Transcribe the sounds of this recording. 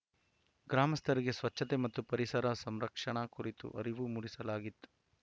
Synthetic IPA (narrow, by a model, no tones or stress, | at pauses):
ɡɾaːmɐst̪ʰɐɾiɡe̞sʋɐt͡ʃːɐt̪emɐt̪ːupɐɾisɐɾɐsɐmɾɐkʂɐɳɐkuɾit̪ṵʔɐ̰ɾiʋumuɽisɐlaːɡit̪ːu̥